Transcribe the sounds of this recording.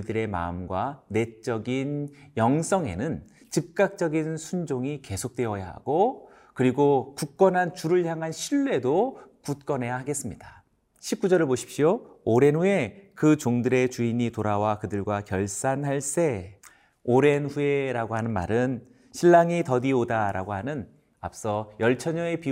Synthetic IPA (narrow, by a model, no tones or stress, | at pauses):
idɯɾe̞ma̰ɯmɡwane̞t͡ɕ͈ʌɡinjʌŋs͈ʌŋe̞̰nɯn | t͡ɕip̚k͈ak̚t͡ɕ͈ʌɡinsʰund͡ʑoŋike̞sʰok̚t͈we̞ʌjaɦa̰ɡo | kɯɾiɡokuk̚k͈ʌnɦant͡ɕuɾɯɭçjaŋɦanɕʰiɭːe̞dokut̚k͈ʌne̞jahaɡe̞s͈ɯmɲida | ɕʰip̚k͈ud͡ʑʌɾɯɭpoɕʰi̥pɕiooɾe̞nue̞kɯt͡ɕoŋdɯɾe̞t͡ɕuiɲitoɾawakɯdɯɭɡwakjʌɭs͈anɦaɭs͈e̞ | oɾe̞nɸue̞ɾaɡoɦanɯnma̰ɾɯn | ɕʰiɭːaŋitʌdiodaɾa̰ɡoɦanɯn | a̰p̚s͈ʌjʌɭt͡ɕʰʌɲʌe̞pi